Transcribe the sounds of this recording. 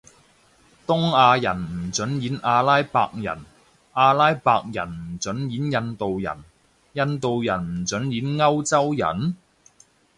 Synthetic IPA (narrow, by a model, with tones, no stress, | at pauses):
t̪ʊ˥ŋaː˧jɐ˨˩nm̩˨˩t͡sɵ˨˥njiː˨˥nʔaː˧laː˥jpa̰ː˧k̚jɐ̰˨˩n | ʔaː˧laː˥jpaː˧k̚jɐ˨˩nm̩˨˩t͡sɵ˨˥njiː˨˥njɐ˧nt̪o˨wjɐ̰˨˩n | jɐ˧nt̪o˨wjɐ˨˩nm̩˨˩t͡sɵ˨˥njiː˨˥nŋɐ˥wt͡sɐ˥wjɐ̰˨˩n